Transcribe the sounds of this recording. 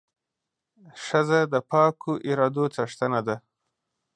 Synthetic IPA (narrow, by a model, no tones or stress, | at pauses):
ʂazad̪əpɑkʰoʔiɾɑd̪ot͡saʂt̪anad̪a